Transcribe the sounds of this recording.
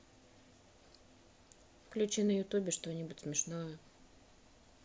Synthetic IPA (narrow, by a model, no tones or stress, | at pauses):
fklʲʉt͡ɕinəjʊt̪ubʲɪʂt̪onʲibʊtʲsmʲɪʂnojə